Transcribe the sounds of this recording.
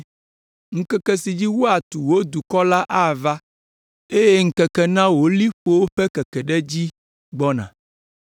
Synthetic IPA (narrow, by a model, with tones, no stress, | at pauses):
ŋ̩˦kɛ˦kɛ˦si˨d͡ʑi˦wo˦a˨t̪u˨wo˦d̪u˨kɔ˦la˦ʔa˦˨va˦ | e˦je˦ŋ̩˦kɛ˨kɛ˦nã˦wo˦li˦ɸo˦wo˦ɸɛ˦kɛ˨kɛ˨ɖɛ˦d͡ʑi˦ | ɡ͡bɔ˦nã̰˨